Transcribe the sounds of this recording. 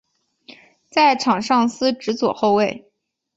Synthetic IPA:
t͡sa˥˩ɪʈ͡ʂʰɑ˨˩ŋʂɑ˥˩ŋsɹ̩˥ʈ͡ʂɻ̩˧˥t͡swɔ˨˩xo˥˧ʊwe˥˩ɪ

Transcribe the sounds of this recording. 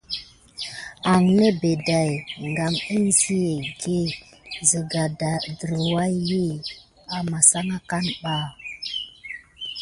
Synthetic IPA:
a˨ŋne˦be˨da˨jŋɡa˨mi˦n˦zi˦je˨ɡe˦˨ | zə˨ɡa˨da˨dɾə˨wa˦jji˦˨ | a˨ma˨sa˦ŋa˦ka˦nɓa˦˨

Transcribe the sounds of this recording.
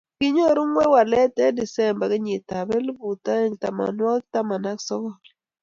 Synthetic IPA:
kɪ˦ɲo˦˨ɾu˦ŋwɛ˦wa˨lɛ˦tɛ˦di˨sɛ˦˨mba˨kɪ˦ɲɪ˨ta˨bɛ˦lbu˨ta˦e˦ŋta̰˨ma̰˨nwa˦kta˦ma˨na˦ksɔ˦kɔ˨l

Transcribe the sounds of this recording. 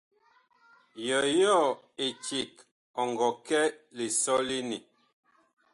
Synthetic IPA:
jɔ˨jɔ˦˨ | e˨t͡ʃi˨k | ɔ˨ŋɡɔ˨kɛ˦le˨sɔ˦li˦ni˨

